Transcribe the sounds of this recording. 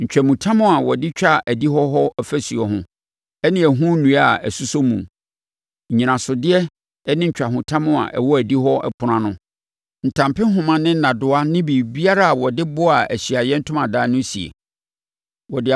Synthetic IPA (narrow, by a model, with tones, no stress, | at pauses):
ɲ̩˨t͡ɕᶣæ˨mũ˨tʰã˦mʊ̃˦a˨wɔ˨dɪ˦t͡ɕᶣa˦˨ʔæ˨di˦ɦɔ˦ɦɔ˦ɛ˨fæ˦su˨ɛ˨ɦʊ̃˦ | ɛ˦nɪ̃˦æ˨ɦũ˦nũ˨˦a̰˨æ˨su˦so˦mũ˨m | ɲ̩˨ɲĩ˨nã˨sʊ˨dɪ˦ɛ˦ | ɛ˦nɪ̃˦ɲ̩˨t͡ɕᶣa˨hʊ̃˨tʰã˦mʊ̃˦a̰˨ʔɛ̰˨wɔ˦æ˨di˦ɦɔ˦ʔɛ̰˦pʰʊ˨ɾã˦nʊ̃˦ | n̩˨tʰã˨mpɪ˦ɦʊ̃˨mã˨nɪ̃˦n̩˦nã˨dʊ˦a˦nɪ̃˦biː˨bi˦a˦ɾa˦˨a˨wɔ˨dɪ˦bʊ˦a˨æ˨ɕi˨a˨jɛ˦n̩˦tʰʊ̃˦mã˨daː˦nʊ̃˦si˨ḛ˨ | wɔ˨dɪ˦˨